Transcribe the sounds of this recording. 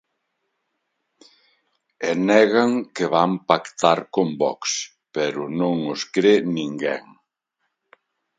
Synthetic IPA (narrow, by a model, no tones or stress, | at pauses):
enɛɣaŋkɪβampakt̪aɾkombɔ̰ks | pɛɾʊnõŋʊskɾenĩŋɡɛŋ